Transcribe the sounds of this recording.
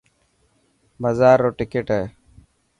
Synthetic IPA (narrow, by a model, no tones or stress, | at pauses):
məzaːɾːoːʈɪkeːʈeː